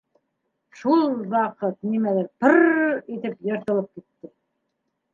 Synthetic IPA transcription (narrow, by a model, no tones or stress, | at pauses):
ʃulˠwɑqɤt̪nimæðæɾpɤɾit̪ɘpjɤ̆ɾt̪ɤ̆lˠɤp̚kit̪ːɘ